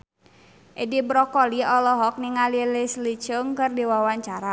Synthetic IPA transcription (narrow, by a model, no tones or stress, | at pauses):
ʔedibɾɔkɔliɔlɔɦɔk̚niŋalilɪslit͡ʃəŋkɨrdiwawaɲt͡ʃaɾa